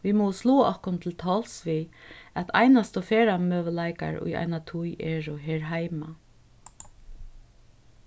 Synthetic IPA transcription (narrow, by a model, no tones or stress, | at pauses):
ʋimɔwsluːʔɔhkʊnt̪ʰɪlt̪ʰɔːlsʋiæt̪ʰa̰jnast̪ɔfɛːɾamøːʋəlaɪka̰ɹʊ̰ja̰ɪnat̪ʰujɛːɹʊɦɛːɹɦaɪma